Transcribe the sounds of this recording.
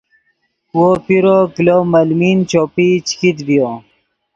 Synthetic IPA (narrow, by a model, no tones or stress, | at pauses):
wopiɾoklomɐlmiːnt͡ɕoːpit͡ɕi̥kit̪bijo